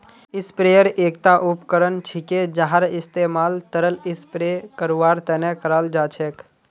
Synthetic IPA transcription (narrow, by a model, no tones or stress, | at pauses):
ɪspɾeːjəɾeːk̚t̪aʔʊpkəɾənt͡ʃʰiked͡ʒaɦaɾɪst̪eːmaːlt̪əɾəlɪspɾekəɾuʋaːɾt̪ɛnɛkəɾaːld͡ʒaːt͡ʃʰeːk